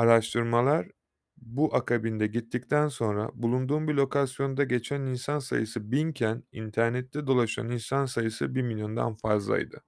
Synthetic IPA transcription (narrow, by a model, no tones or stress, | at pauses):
aɾaʃt̪ʰɯɾmalˠaɾ | buʔakʰabind̪ɛɟit̪ʰːic̚t̪ʰænso̞nɾa̰bulˠund̪uːmbilʲo̞kʰasjo̞nd̪aɟe̞t͡ʃʰæninsansa̰jɯsɯbincʰænḭnt̪ʰæɾnɛt̪ʰːɛd̪o̞lˠaʃa̰ninsansajɯsɯbiɾmilʲjo̞nd̪a̰nfazlˠa̰jd̪ɯ